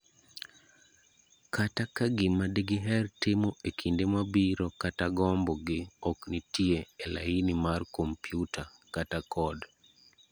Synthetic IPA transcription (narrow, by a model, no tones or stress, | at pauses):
kʰatakaɡɪmadeɡɪɦɛrtɪmoʔekʰindemabiɾɔkataɡɔmbɔɡɪɔknitieela̰inimarkompjutʰakatakʰɔd